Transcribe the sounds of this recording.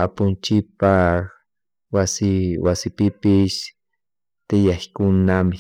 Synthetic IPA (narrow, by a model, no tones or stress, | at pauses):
apʊnt͡ʃɪpa | wasɪwasɪpɪpɪʃ | t̪ɪjaχkʊnamɪ